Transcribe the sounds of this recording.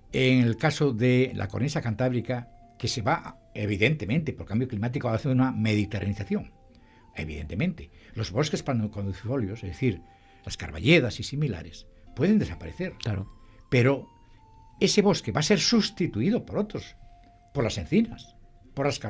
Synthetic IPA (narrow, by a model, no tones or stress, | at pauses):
eŋelkasoðelʔa̰koɾnisakant̪aβɾika | ke̞se̞βaʔ | eβ̞iðent̪e̞mẽnt̪epo̞ɾkambjo̞klimat̪̬ikoβaθeɾuname̞ðit̪era̰niθaθjo̞ŋ | ḛβḭðe̞̰nt̪emẽnt̪e | lo̞zβo̞ske̞spankond̪uθo̞ljosezðeθiɾ | laska̰ɾβa̰ʎeðasisimila̰ɾes | pwe̞ðe̞nd̪e̞sapaɾeθe̞ɾaɾpe̞ɾo̞ | e̞se̞βo̞ske̞βase̞ɾsust̪it̪uiðo̞poɾo̞t̪ɾos | po̞ɾlase̞n̟θinas | po̞ɾlasa